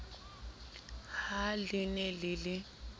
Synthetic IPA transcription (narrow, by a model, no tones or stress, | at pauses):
halinɛlilɪ